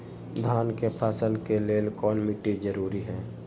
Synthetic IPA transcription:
d̪ʱaːnkepʰaːsəlkeleːlkɔːnmiʈid͡ʒəɾuːɾiɦɛ̃ː

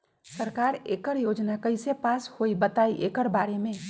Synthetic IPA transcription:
səɾkaːɾeːkəɾjoːd͡ʒnakəɪsepaːshoibət̪aiʔeːkəɾbaːɾemẽ

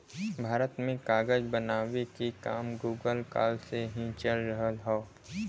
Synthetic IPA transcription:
bʱaːɾət̪mẽkaːɡəd͡ʒbənaːʋekikaːmɡuːɡəlka̰ːlseɦĩt͡ʃəlɾəɦəlɦɔo

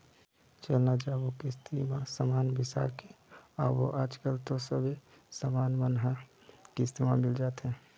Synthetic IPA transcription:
t͡ʃəlnad͡ʒaːʋokist̪ʰimãsamaːnbɪsa̰ke | ɔːɾʋoʔaːd͡ʒkəlt̪osəbe | səmaːnmənɦa | kist̪imamɪld͡ʒaːt̪ɦɛ̃ː

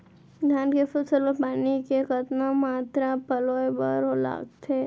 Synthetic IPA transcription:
ɡ̪ʱaːnkefʊlsəlopaːnikekət̪namaːt̪ɾapəlojbəɾola̰ːɡ̚t̪ʰe

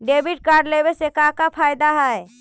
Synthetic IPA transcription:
ɖeːbɪʈ̚kaːɾɖleʋesekakapʰaːjd̪aɦɛɛ

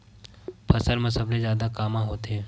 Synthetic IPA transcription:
pʰɐsəlmɐ̃sɐblezjaːd̪akaːmãɦoːt̪eɦɛ̃ː

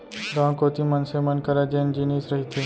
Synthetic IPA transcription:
ɾãːkoːt̪imɐnsemɐnkɐɾad͡ʒeːnd͡ʒiniːsɾɐɦit̪ʰeː

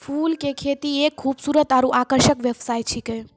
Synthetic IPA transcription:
fuːlkekʰet̪iekkʰːuːbsuːɾət̪aɾũʔakəɾʃəkʋjəʋsaːj̪t͡ʃʰikə

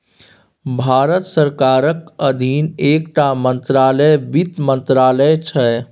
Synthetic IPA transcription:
bʱaːɾət̪səɾkaːɾəkəd̪ʱinekʈamənt̪ɾaːləjbit̪mənt̪ɾaːləjt͡ʃʰɛ

